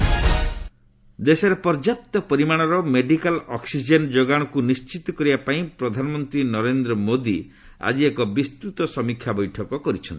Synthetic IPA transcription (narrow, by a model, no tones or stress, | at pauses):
d̪esɔɾepɔɾd͡ʒap̚t̪ɔpɔɾimaɽ̃ɔɾɔmeɖikalɔksid͡ʒend͡ʒoɡaɽ̃ɔkunist͡ʃit̪ɔkɔɾibapaĩpɾɔd̪ʱanɔmɔnt̪ɾinɔɾend̪ɾɔmod̪i | a̰d͡ʒiekɔbist̪ɾut̪ɔsɔmikʰːjabɔjʈʰɔkɔkɔɾit͡ʃʰɔnt̪i